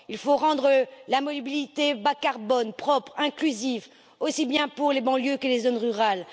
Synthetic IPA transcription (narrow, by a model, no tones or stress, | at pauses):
ilfoʁɑ̃d̪ʁəlamɔlibilit̪ebakaʁbɔnpχɔpχɛ̃klyziv | osibjɛ̃puʁlebɑ̃ljøkəlezonʁyʁal